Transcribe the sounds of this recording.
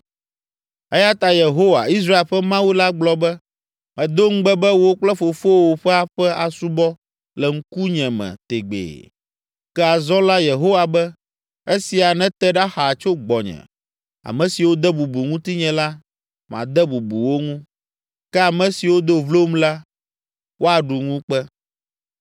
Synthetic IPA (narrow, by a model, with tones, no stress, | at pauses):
ɛ˦ja˦t̪a˨je˨ɦo˦wa̰˨i˦s̬ɾa˦e˨lɸɛ˦mã˦wi˦la˦ɡ͡blɔ˨bɛ˦ | mɛ̃˨d̪o˦ŋ̩˦ɡ͡bɛ˦bɛ˦wo˦k͡plɛ˦fo˨fo˦wo˨ɸɛ˦a˨ɸɛ˦a˨su˦bɔ˦ | lɛ˨ŋ̩˦ku˦ɲɛ̃˨mɛ̰̃˨t̪ḛ˨ɡ͡bḛː˨ | kɛ˦a˨zɔ˦la˦je˨ɦo˦wa˨bɛ˦ | e˦si˨a˨nɛ̃˦t̪ɛ˦ɖa˦xa˨t͡ʃo˦ɡ͡bɔ˨ɲɛ̰̃˨ | a̰˨mɛ̃˨si˨wo˦d̪ɛ˦bu˨bu˨ŋũ˦t̪i˦ɲɛ̃˨la˦ | m˨ã̰˨d̪ɛ˦bu˨bṵ˨wo˦ŋũ˦ | kɛ˦a˨mɛ̃˨si˨wo˦d̪o˦vlo˦mla˦ | wʔo˦a˨ɖu˨ŋũ˦k͡pɛ˦